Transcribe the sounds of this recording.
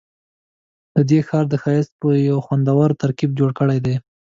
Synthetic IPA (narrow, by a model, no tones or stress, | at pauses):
d̪̥əd̪exɑɾd̪əxɑjɪst̪̚pəjawxwand̪awɑɾt̪aɾkib̚d͡ʒoɽkəɽajd̪e